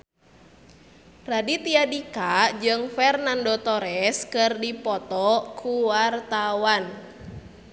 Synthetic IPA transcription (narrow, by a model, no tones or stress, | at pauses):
radit̪iadikad͡ʒɨŋfɛrnandot̪ɔɾɛskɨrdipɔt̪ɔkʰuwart̪awan